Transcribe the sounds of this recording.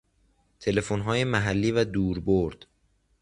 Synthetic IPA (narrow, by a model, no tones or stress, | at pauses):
t̪ʰe̞le̞fonɦɒːjemæɦælːiːvæd̪uːɾboɾd̪̥